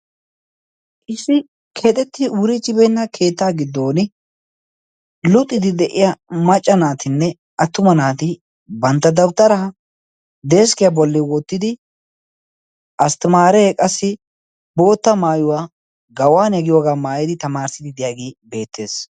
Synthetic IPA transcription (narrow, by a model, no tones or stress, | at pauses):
ʔɪsɪ | kʰet̪ʼɛt̪ːɪʔuːɾɪt͡ʃʼːɪbɛnːɐkʰeːt̪ːaːɡɪd̪ːo̞ːnɪ | lʊt̪ʼːɪd̪ɪd̪ɛʔɪjɐmɐt͡ʃʼːɐnaːt̪ɪnːɛ | ʔɐt̪ːʊmɐnaːt̪ɪ | bɐnt̪ːɐd̪ɐwt̪ːɐɾɐhɐ | d̪eːskɪjabɔlːɛwɔt̪ːɪd̪ɪ | ʔɐst̪ɪmaːɾɛkʼɐsːɪ | bo̞ːt̪ːɐmaːjʊwaː | ɡɐwaːnɛɡɪjoːɡaːmaːjɪd̪ɪt̪ɐmaːɾsɪd̪ɪd̪ɪjaːɡeːbe̞ːt̪ːe̞ːs